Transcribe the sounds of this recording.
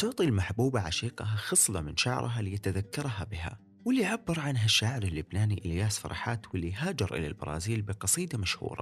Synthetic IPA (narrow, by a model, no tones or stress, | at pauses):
t̪ʊʕt̪ˤilmaħbuːbaʕaʃiːqɑɦaxɨsˤlɑmɪnʃaʕ̰ɾˤʔɦalɪjat̪aðakːɑɾˤɦabɪɦa̰ | wɪlːiʕabːɪɾˤʕanɦaʃːaːʕɪɾalːʊbnaːniʔɪljaːsfɑ̰ɾˤɑ̰ħaːt̪wɪlːijɦaːd͡ʒɪɾʔɪ̰la̰lbɑ̰ɾˤɑ̰ːziːlbɪqɑsˤiːd̪amaʃhṵːɾˤɑ̰